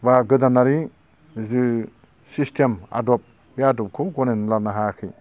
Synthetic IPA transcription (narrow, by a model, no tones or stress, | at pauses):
baɡɯdanaɾi | zɯ | sistʰema̰dɔp̚ | bjadɔp̚kʰoɡɔnenlanaɦakʰɯj